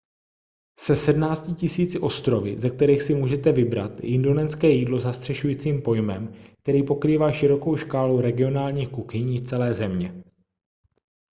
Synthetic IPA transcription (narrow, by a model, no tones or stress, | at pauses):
sɛsɛdmnaːt͡scɪcɪsiːt͡sɪʔo̞st̪ɾovɪ̰zɛk̚t̪ɛɾiːxsɪmuːʒɛt̪ɛvɪbɾa̰t̪ʔɪndo̞nɛnskɛːjiːdlo̞zast̪r̥ɛʃujiːt͡siːmpo̞jmɛmk̚t̪ɛɾiːpo̞kɾiːvaːʃɪɾo̞ko̞wʃkaːlowɾɛɡɪo̞naːlɲiːxkuxɪɲiːft͡sɛlɛːzɛmɲɛ